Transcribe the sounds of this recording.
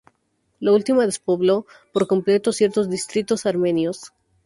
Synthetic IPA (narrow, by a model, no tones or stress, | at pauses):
lault̪imaðespo̞βlo̞ | poɾko̞mple̞t̪osje̞ɾt̪ozd̪ist̪ɾit̪o̞saɾme̞njos